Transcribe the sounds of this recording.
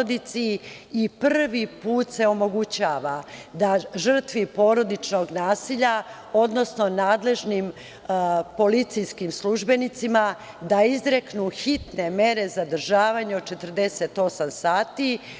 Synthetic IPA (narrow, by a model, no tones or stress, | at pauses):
od̪it̪siː | pr̩ʋipuːt̪se̞omo̞ɡut͡ɕaːʋad̪aʒər̩t̪ʋipo̞ɾo̞d̪it͡ʃnoɡnaːsiʎa | o̞d̪no̞sno̞naːd̪le̞ʒnim | po̞lit̪sijskimslˠuʒbe̞nit̪sima | d̪aizɾeknuxit̪ne̞me̞ɾe̞zad̪r̩ʒaːʋaɲeot͡ʃe̞t̪rd̪e̞set̪o̞samsaːt̪i